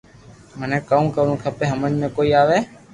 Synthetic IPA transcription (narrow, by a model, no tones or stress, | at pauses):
mənẽːkəũːkəɾũːkʰəpeːɦəmənmẽːkoːiːaːʋeː